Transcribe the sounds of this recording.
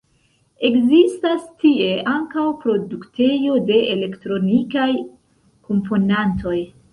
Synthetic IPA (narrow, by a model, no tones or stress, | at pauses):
e̞kzistastie̞ʔaŋkawpɾo̞dukte̞jo̞de̞ʔele̞ktɾo̞nikaj | ko̞mpo̞nanto̞j